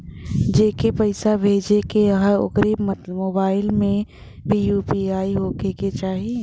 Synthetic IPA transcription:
d͡ʒeːkepɐɪsabʱeːd͡ʒekeəɦəo̰kɾiːbmmoːbaːɪlmẽ | bʱiːjuːpiaːiɦoːkeket͡ʃaːɦie

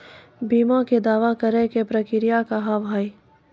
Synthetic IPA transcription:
biːmaked̪aːʋakɐɾekepɾɐkɪɾɪjakaɦabʱaːi

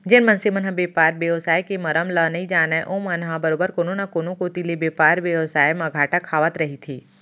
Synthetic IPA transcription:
d͡ʒɪnmɐnsɪmɐnɦabeːpaːɾbjəʋsaːjkemɐɾəmlɐnɐɦĩd͡ʒaːnaʔoːmɐnɦabɐɾoːbəɾkoːnonakoːnõkot̪ilebjeːpaːɾʋjɐʋsaːjmɐɡʱaːʈakʰaːʋət̪ɾɐɦit̪ʰeː

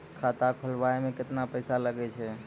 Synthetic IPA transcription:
kʰat̪akʰəlbaemeket̪napəjsaləɡɛt͡ʃʰɛ

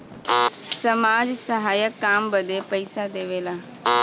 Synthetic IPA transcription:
səmaːd͡ʒsəɦaːjəkːaːmbəd̪eːpəɪsad̪eːʋeːlaː

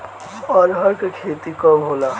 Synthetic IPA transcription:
ɔːɾɦəɾkekʰeːt̪ikɔbʱoːlaː

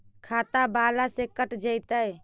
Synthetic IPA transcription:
kʰat̪abalasekəʈd͡ʒəjt̪əj

